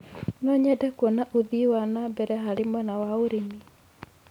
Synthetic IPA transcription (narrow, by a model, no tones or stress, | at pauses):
nɔɲɛdɛkwɔnaʔoðiwanabɛɾɛɦaɾemɔnawaoɾemi